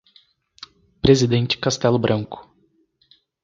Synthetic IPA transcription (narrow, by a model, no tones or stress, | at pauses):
pɾezid̪ẽnt͡ʃɪ̥kast̪ɛlʊbɾʔɐ̃ŋkʊ̥